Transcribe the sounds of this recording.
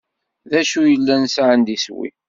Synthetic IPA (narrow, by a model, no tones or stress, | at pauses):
ðæʃujəlːænsʕənd̪iswḭ